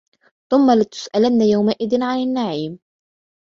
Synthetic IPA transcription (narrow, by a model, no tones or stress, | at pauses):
θʊmːalɪt̪ʊ̥sʔalanːajawmaʔɪðɪnʕanɪnːaʕiːm